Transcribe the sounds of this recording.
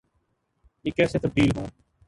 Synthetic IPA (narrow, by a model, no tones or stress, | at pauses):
iːkɛːseːt̪oɾɖiːlɦõː